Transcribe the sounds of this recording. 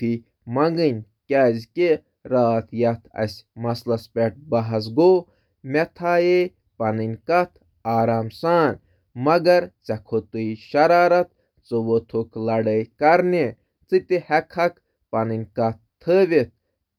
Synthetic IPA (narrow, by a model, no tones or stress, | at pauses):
t̪ʰi | mɐŋɡɨnʲ | kʲaːzke | ɾaːt̪ʰjɐt̪ʰɐ̰sʲmɐslɐspʲeʈ̚bɐɦɐs̬ɡoː | met̪ʰaːje | pɐnɨnʲkɐt̪ʰ | aːɾaːmsaːnʲ | mɐɡɐɾt͡sɐkʰot̪uiʃɐɾaːɾɐt̪̚ | t͡sɨʋot̪ʰoklɐɖəjkɐɾne | t͡sɨt̪ihɐkʰɐk | pɐnɨnʲkɐt̪ʰːəːʋit̪̚